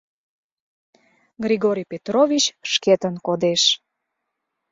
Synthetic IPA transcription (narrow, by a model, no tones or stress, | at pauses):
ɡriɣoɾʲijpet̪rovʲit͡ɕʃket̪ənkod̪eʃ